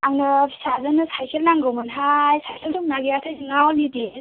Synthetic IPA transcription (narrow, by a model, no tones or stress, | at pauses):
aŋnɯpʰi̥sazɯnɯsajkʰelnaŋɡɯwmɯnɦajsʰajkʰelsʰuŋ̚naɡeatʰajziŋawnidi